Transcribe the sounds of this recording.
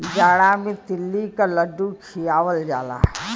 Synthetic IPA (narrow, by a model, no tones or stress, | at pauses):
d͡ʒaːɽamẽt̪ɪlːikaləɖukʰijaːwəld͡ʒa̰ːla̰ː